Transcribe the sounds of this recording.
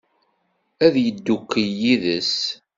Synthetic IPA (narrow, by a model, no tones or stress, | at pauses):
æðjəd̪ːukːəjiðəs